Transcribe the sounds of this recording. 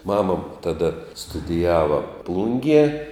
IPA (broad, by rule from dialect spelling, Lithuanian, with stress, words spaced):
ˈmɑːmɐ tɐˈdɐ stʊdʲɪˈjæːʋɐ ˈplˠʊŋʲɡʲiɛ